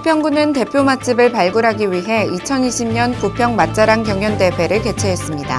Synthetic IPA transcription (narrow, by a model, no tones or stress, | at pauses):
pʰjʌŋɡunɯnte̞pʰjomat͡ɕ͈ʰibɯɭpaɭɡuɾɦaɡiɥiɦe̞it͡ɕʰʌniɕʰimɲʌnkupʰjʌŋmat̚t͡ɕ͈aɾaŋkjʌŋjʌnde̞pʰe̞ɾɯɭke̞t͡ɕʰeɦes͈ɯmɲida̰